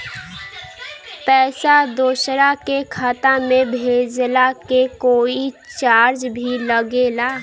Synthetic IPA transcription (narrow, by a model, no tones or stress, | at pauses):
pɛːsad̪oːsɾakekʰat̪amẽbʱed͡ʒlakekoːit͡ʃaɾd͡ʒbʱiləɡela